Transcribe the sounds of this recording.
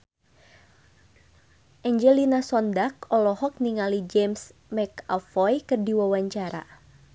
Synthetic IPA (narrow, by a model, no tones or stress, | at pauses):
ʔaɲd͡ʒɛlinasɔndak̚ɔlɔhɔk̚niŋalid͡ʒɛmsmɛkafɔjkɨrdiwawaɲt͡ʃaɾa̰